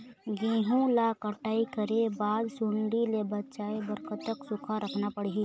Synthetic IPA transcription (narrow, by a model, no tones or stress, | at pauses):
ɡẽːɦũlakəʈaːikəɾebaːd̪sʊɳɖilebətːʃaːebəɾkət̪ːəksʊkʰaɾəkʰnapəɽ̤iɦi